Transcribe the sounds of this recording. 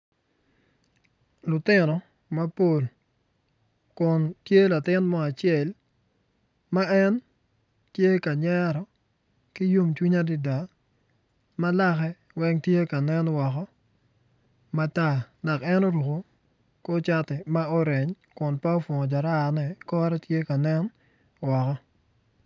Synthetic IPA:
lʊ˨tɪ˦nɔ˨ | ma˦po˨l | kʊ˨ntje˦la˨tɪ˦nmɔ˦a˨t͡ʃjɛ˨l | ma˦ɛ˦n | tje˦ka˨ɲɛ˦ɾɔ˨ | ki˦ju˦mt͡ʃwi˦ɲa˦dɪ˨da˨ | ma˦la˦xɛ˦ | wɛ˦ŋtje˦ka˨nɛ˦nwɔ˨kɔ˦ | ma˦ta˦˨na˨kɛ˦no˦ɾu˨ko˨ | ko˦t͡ʃa˦tɛ˨ma˦o˦ɾɛ˨ɲ | kʊ˨npa˦o˦fwo˨ŋɔ˨d͡ʒa˨ɾa˦˨nɛ˨kɔ˦ɾɛ˦tje˦ka˨nɛ˦n | wɔ˨kɔ˦

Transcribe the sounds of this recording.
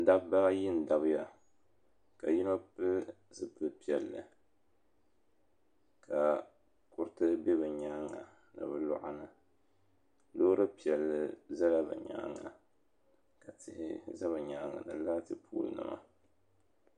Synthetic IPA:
da˦bba˦ɣa˦jɪ˦n̩˨da˨bɨ˦ja˨ | ka˨ji˦no˦pɨ˦ | zɨ˨pɨ˦pi˦˨ɛ˨lːɨ̰˨ | kʰa˨ | kʊ˦ɾtɨ˦be˦βɨ˨ɲaː˦ŋa̰˨ | nɨ̰˨bɨ˦lʊ̰˦ʔa˦nɨ˨ | loː˦ɾɨ˦pi˨ɛ˨lːɨ˨za˦la˦bɨ̰˨ɲa̰ː˦ŋa̰˨ | ka˨tɪ˦hɪ̰˦za˦βɨ˨ɲaː˦ŋa̰˨nɨ˨laː˦tɨ˦pʰṵː˦lɨ̰˨nɨ̰˦ma̰˨

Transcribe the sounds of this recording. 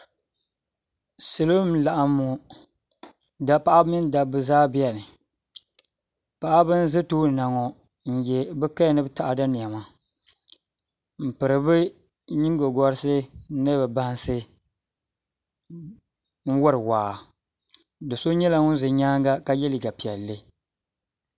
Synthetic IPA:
sɨ˨lo˦m˦la˨ʔa˨mːu˨ | da˦pa˦ʔa˦mɪ˦n˦da˨bɨ˨zaː˦bi˦a˨nɨ˨ | pa˨ʔa˦bɨ˦n̩˦zɨ˦toː˦˨na˨ŋɔ˨ | n̩˨jɛ˨bɛ˦ka˦˨nɨ˦bɨ˦ta˨ʔa˨da˦ni˨a˨ma˦ | m̩˨pɨ˨ɾɨ˨bɨ˦ | ɲi˦ŋ˦ɡo˨ɡɔ˦ɾɨ˦sɨ˦nɨ˦bɛ˨ba˦n˦sɨ˦ | n̩˦wa˦ɾɨ˨waː˨ | dɨ˨so˦ɲɛ˦la˦ŋʊ˦n˦zɨ˨ɲaː˦ŋɡa˦ka˦jɛ˦lɨ˨ɡa˨pi˨ɛ˨lːɨ˦

